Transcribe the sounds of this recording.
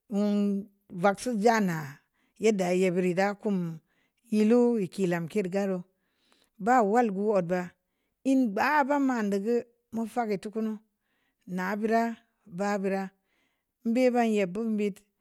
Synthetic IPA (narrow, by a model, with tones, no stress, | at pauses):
wu˨n | va˨ksu˦d͡ʒa˦na˨ | je˦da˨je˨bi˨ɾi˨da˦ku˦m | ji˦lu˦ji˨ki˨la˨mke˦dɡa˦ɾo˦ | ba˦wa˦lɡu˦o˨d̚ba˨ | i˦nɡ͡ba˨˦ba˦ma˨ndə˨ɡə˦ | mu˦fa˦ki˨tu˦ku˦nu˦ | na˨˦bi˦ɾa˦ | ba˦bi˨ɾa˦ | m̩˦be˦ba˦nje˨bu˦m˦bi˦t